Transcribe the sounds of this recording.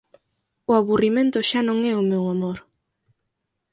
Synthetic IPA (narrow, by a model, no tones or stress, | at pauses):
ʊaβurimẽnt̪ʊʃanõŋɛʊmewamoɾ